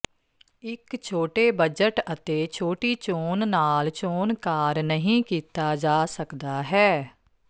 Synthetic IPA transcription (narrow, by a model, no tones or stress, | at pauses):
ɪkt͡ʃʰoːʈeːbəd͡ʒəʈət̪eːt͡ʃʰoːʈiːt͡ʃoːnnaːlt͡ʃoːnkaːɾnəɦĩːkiːt̪aːd͡ʒaːsəkd̪aːɦɛː